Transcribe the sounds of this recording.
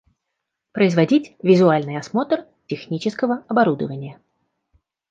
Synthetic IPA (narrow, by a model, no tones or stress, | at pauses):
pɾəɪzvɐdʲitʲvʲɪzʊalʲnɨjɐsmo̞t̪r | tʲɪxnʲit͡ɕɪskəvəɐbɐɾud̪ə̰vənʲɪjə